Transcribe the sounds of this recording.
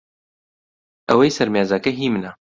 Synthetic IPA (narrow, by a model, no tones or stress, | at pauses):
ʔɐwɐjsɐɾmjaːzakɐɦiːmna